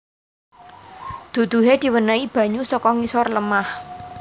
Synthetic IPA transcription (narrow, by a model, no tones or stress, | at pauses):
d̪̥ṳd̪̥ṳɦed̪̥i̤wənaib̥ä̤ɲusɔkɔŋisɔrləmah